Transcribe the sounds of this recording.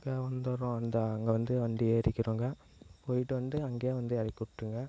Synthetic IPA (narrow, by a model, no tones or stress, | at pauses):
ɡɐʋɐnd̪ɐɾɔ̃ɐnd̪ɐːŋɡɐʋɐnd̪ɯʋɐɳɖ̪ieːɾɪkːɪɾuːŋɡɐ | poːjɪʈːɯʋɐnd̪ɯɐŋɡeːʋɐnd̪ɯɛɽɪkːʊɽʈːɯŋɡɐ